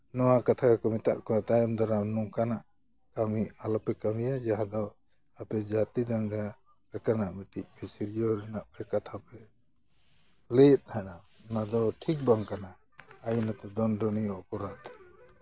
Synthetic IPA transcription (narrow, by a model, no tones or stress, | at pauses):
nɔwakat̪ʰakakɔmit̪a̰ʔkɔat̪ajnd̪ɔɾanukanaʔ | kamialɔpɛkamijad͡ʒaɦad̪ɔ | apɛd͡ʒat̪id̪aŋɡa | ɾɛkanaʔmiʈiʔ̚pʰisiɾijɔɾɛnaʔpɛkat̪ʰapɛ | lɛt̪̚t̪ʰanaʔnad̪ɔʈʰik̚baŋkanaː | jinat̪ɛd̪ɔnɖɔnijɔɔpɔɾad̪